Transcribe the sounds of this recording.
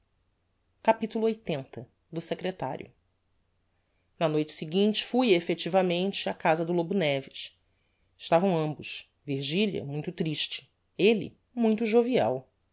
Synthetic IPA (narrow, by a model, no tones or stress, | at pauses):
kapit̪ulʊojt̪ẽnt̪ɐ | d̪ʊsekɾet̪a̰ɾʲjʊ̰ | nɐnojt͡ʃɪ̥siɡĩnt͡ʃɪ̥fujefet͡ʃivɐmẽnt͡ʃɪakazɐd̪ʊlobunɛvɪʃ | ɪʃt̪avɐ̃w̃ɐ̃mbʊʃ | viɾʒiliɐ̰mũj̃t̪ʊt̪ɾiʃt͡ʃɪ̥ | elɪ̰ | mũj̃t̪ʊʒoviɛ̰w